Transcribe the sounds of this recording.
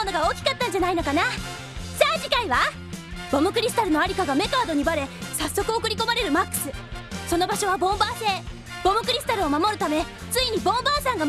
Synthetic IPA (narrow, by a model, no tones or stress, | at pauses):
onoɡao̞ːkʲi̥kat̪ːãɲ̟d͡ʑanaino̞kana | saːʑikaiβa | b̥o̞mɯ̟kɯ̟ɾʲisɨ̥t̪aɾɯ̟no̞aɾʲikaɡame̞kaːd̪o̞ɲ̟ibaɾe̞sasːo̞kɯ̟o̞kɯ̟ɾʲiko̞maɾe̞ɾɯ̟makːɯ̟̥sɨso̞no̞baɕo̞β̞abõ̞mbaːse̞ː | b̥o̞mɯ̟kɯ̟ɾʲisɨ̥t̪aɾɯ̟o̞mamo̞ɾɯ̟t̪ame̞ | t͡sɨiɲ̟ibõ̞mbaːsãŋɡa